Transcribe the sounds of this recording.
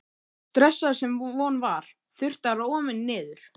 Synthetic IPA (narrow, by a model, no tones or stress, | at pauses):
t̪ɾɛsːḁsɛmvɔːnvaɾ̥ | θʏr̥t̪aɾaɔːmɪnːɪːðʏɾ̥